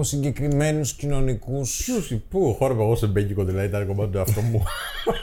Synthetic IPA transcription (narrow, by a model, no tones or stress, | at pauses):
osiɲɟe̞kɾime̞nuscino̞nikususipuxoɾɐpeɣosebeɟikoðilɐðit̪ɐɾkomɐt̪ɐt̪uɐft̪omu